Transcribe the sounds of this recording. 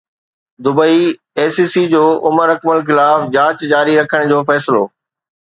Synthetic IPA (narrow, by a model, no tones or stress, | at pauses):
d̪ʊbəi | eːsiːsid͡ʑoːʔʊməɾɐkməlxɪlaːfd͡ʑaːt͡ɕd͡ʑaːɾiɾɐkʰəɽ̃d͡ʑoːfɛːsɪlo̰ː